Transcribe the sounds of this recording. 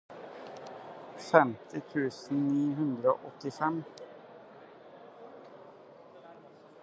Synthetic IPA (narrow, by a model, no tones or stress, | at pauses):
fɛmt̪ʰɪt̪ʰʉːsn̩niːhʉnd̪ɾəo̰ːʔɔt̪ɪfɛm